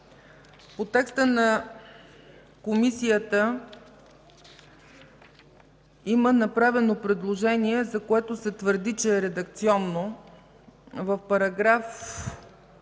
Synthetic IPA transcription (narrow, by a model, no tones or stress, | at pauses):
pot̪ɛkst̪ənɐ | komisijət̪ə | imənɐpɾavɛnopɾɛd̪lˠoʒɛniɛzɐkoɛt̪osɛt̪vəɾd̪it͡ʃɛːɾɛd̪ɐkt̪siɔnːo | vəfpɐɾɐɡɾaf